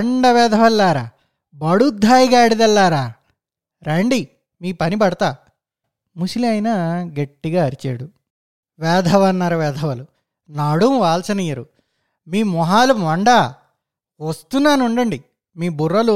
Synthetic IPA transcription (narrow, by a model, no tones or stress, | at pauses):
ɳɖɐʋɛːd̪ʱɐʋɐlːaːɾaː | bɐɽud̪ʱaːjiɡaːɐɽid̪ɐlːaːɾaː | ɾeɳɖi | miːpɐnibɐɽɐt̪aː | musiliɐjnaɡɐʈːiɡaːɐɾit͡ʃḛːɽu | ʋɛːd̪ʱɐʋɐnːɐɾɐʋɛːd̪ʱɐʋɐlu | naːɽumʋaːlsɐnɐjɐɾṵ | miːmɔɦaːlumɐɳɖaː | ʋɐst̪unːaːnuɳɖɐɳɖi | miːburːɐlu